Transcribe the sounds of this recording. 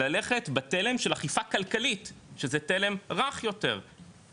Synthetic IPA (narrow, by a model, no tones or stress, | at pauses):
ale̞χetbatele̞mʃelaχifakalkalitʃezɛtele̞mʁaχjo̞te̞̰ʁ